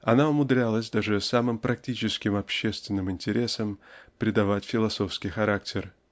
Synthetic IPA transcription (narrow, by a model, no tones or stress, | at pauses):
ɐnaʊmʊd̪ɾʲalˠəsʲd̪aʐɨsamɨmpɾʔɐk̚tʲit͡ɕɪskʲɪmɐpɕːe̞st̪vʲɪnːɨmɪnʲtʲɪɾʲe̞səmpɾʲɪd̪ɐvatʲfʲɪlˠɐso̞fskʲɪjxɐɾak̚tʲɪr